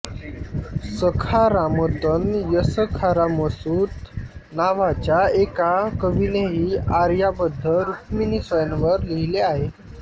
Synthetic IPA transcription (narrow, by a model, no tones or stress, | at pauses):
səkʰaɾamət̪ənjəsəkʰaɾaməsuːt̪naʋat͡ɕjaekakəʋineɦiːaɾjabəd̪ʱːəɾuk̚minisʋəjnʋəɾliɦileaɦe